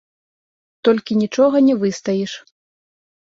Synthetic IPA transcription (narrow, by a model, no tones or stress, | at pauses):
t̪ɔlʲkʲinʲit͡ʂɔɣɐnʲɛvɨst̪ɐjiʂ